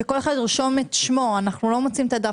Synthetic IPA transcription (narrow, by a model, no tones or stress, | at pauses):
eko̞le̞χad̪ʁʃo̞met̪ʃmo̞anaχnulo̞mot͡siimt̪ad̪a